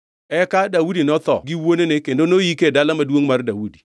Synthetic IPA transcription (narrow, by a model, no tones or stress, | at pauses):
ɛkadawudinɔt̪ɔ̰ɡɪwonenekendonojikedalamadwoŋmardawudi